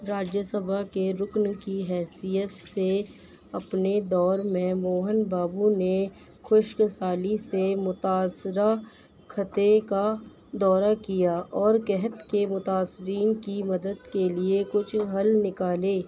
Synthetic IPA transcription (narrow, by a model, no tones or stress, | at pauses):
ɾaːd͡ʒjəsəbʱakeɾʊknkiɦɛːsijət̪se | ɐpned̪ɔːɾmẽmoːɦənbaːbune | xʊʃkəsaːlisemʊt̪aːsɾa | kʰət̪eka | d̪ɔːɾakijaʔɔːɾkɛɦət̪kemʊt̪aːsɾiːnkimɐd̪əd̪keliekʊt͡ʃʰɦɐlnɪkaːleː